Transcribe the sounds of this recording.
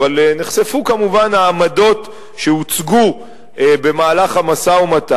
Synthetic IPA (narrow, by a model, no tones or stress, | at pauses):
aleneχse̞fukamuvanaːmado̞t | ʃe̞ut͡sɡu | be̞maːlaχamasaumata